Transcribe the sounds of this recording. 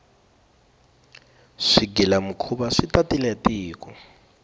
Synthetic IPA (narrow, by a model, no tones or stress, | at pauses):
ʂiɡilamukʰubaʂitatilɛtiːkɔ